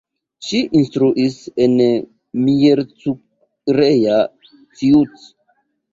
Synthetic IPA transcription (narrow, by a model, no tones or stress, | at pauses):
ʃiʔinstɾuʔisen | mijeɾt͡su | ɾeja | tiut